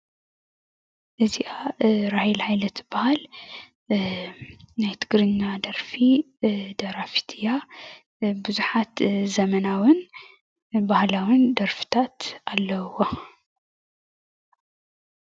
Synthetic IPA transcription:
ʔɨziʔaɾahilhajlɐt̪b̥ahal | najt̪ʰɨɡɾɨɲːad̪ɐɾfi | d̪ɐɾafi̥t̪ʰɨja | bɨzuħat̪zɐmɐnawɨn | bahlawɨnd̪ɐɾfi̥t̪ʰat̪alːɐwo

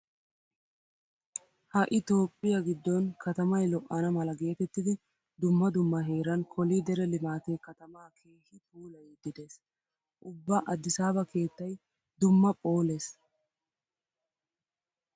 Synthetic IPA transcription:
hɐʔɪt̪o̞ːpʼːɪjɐɡɪd̪ːɔnkʰɐt̪ɐmɐjlɔʔːɐnɐmɐlɐɡe̞ːt̪ɛt̪ːɪd̪ɪ | d̪ʊmːɐd̪ʊmːɐɦe̞ːɾɐnkʰɔlid̪ɛɾɛlɪmaːt̪eːkɐt̪ɐmaːkʰe̞ːhɪt̪ʰuːlɐjd̪ɪd̪eːs | ʔʊbːɐʔɐd̪ːɪsaːbɐkʰe̞ːt̪ːɐj | d̪ʊmːɐpʼo̞ːleːs

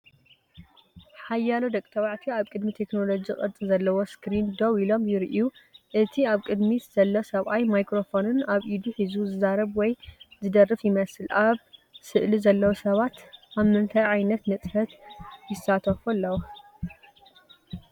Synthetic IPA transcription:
ħajːalod̪ɐkʼit̪ʰɐβaʕt̪ʰiaβkʼɨd̪mit̪ʰe̞kno̞lo̞d͡ʒikʼɐt͡sʼizɐlːɐwoskɾind̪oβilo̞mjɪɾʔuʔɨt̪ʰiaβkʼɨd̪miz̥ɐlːosɐβʔajmajkɾo̞fo̞nɨnaβʔid̪uħizuzɨzaɾɐβwɔjzɨd̪ɐrɨfjɪmɐsɨlʔaβsɨʔlizɐlːɐwosɐβat̪ʔaβmɨnt̪ʰajʕajnɐt̪nɨt͡sʼħɐt̪jɪsat̪ʰɐfulːɐwo

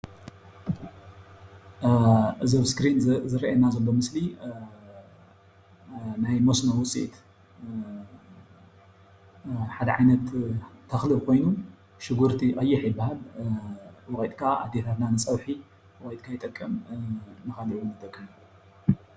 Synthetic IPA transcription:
ʔɨzɐβskɾinzɨɾɐʔɐnazɐlːo̞mɨsli | najmosnowʊt͡sʼḭt̪ | ħad̪ɐʕajnɐt̪ʰːɐxlɨbkʰo̞jnu | ʃɨɡuɾt̪ʰiʔʼɐjːɪħjɪbːahal | wɣojt̪ʼkʰaa̰d̪ihɐɾnanɨt͡sʼɐwħi | wojt̪̚ʼkʰajɪt̪ʼɐkʼːɐmnɨxaliʔɨwʊnɨt̪ʰʼɐkʰʼːɨn

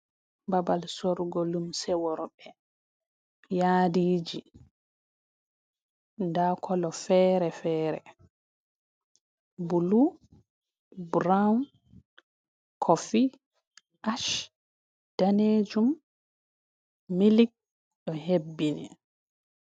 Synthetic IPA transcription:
babalsoɾɡɔlumsɛwɔɾɔɓɛ | jaːdiːd͡ʒi | ndakʰɔlɔfɛːɾɛfɛːɾɛ̰ | bulu | bɾan | kʰofi | ʔaʃ | d̥aned͡ʒum | ilik̚ | ɗɔɦebːinɛ̰

